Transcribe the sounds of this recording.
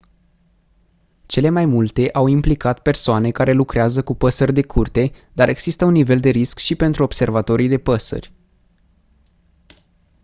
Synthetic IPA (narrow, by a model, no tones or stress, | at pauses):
t͡ʃe̞le̞majmult̪e̞ʔawimplikat̪pe̞rsoane̞kaɾe̞lukɾeazəkupəsərʲd̪e̞kʰurt̪e̞d̪aɾʔe̞ɡ̥z̥ist̪əunːive̞ld̪e̞ɾiskʃipe̞nt̪ɾuob̥se̞rvat̪o̞ɾijd̪e̞pəsə̰rʲ